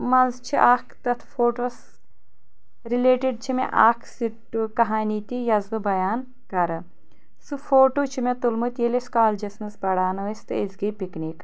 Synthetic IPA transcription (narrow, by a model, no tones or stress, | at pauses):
mɐnzt͡ʃʰiʔaːkʰt̪ɐt̪ʰfoːʈos | ɾileːʈiɖ̚t͡ʃʰimḛʔaːkʰsiʈːukɐɦaːnit̪ijɐzbɨbɐjaːn | kɐɾɐ | sɨfoːʈoːt͡ʃʰimet̪ulmɨt̪jeleskaːld͡ʒɐsnɐsbɐɽaːnɐʋɐst̪ɨezɡipiknik